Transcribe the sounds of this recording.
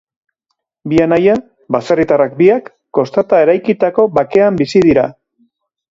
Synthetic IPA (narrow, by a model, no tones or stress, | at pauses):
bianaja | baserit̪arakbiakːo̞st̪at̪ae̞ɾajkit̪ako̞βake̞ambisiðiɾa